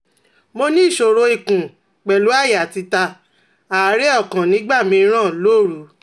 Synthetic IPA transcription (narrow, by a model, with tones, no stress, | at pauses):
mo˧nĩ˦i˦˨ʃo˨ɾo˧i˨kũ˨ | k͡pɛ˨lu˨˦a˦˨jti˧ta˧ | a˨˦ɾe˦ɔ˦˨kã˨nĩ˨˦ɡ͡ba˦˨mĩ˧˦ɾ̃ã˦˨lo˦˨ɾu˨˦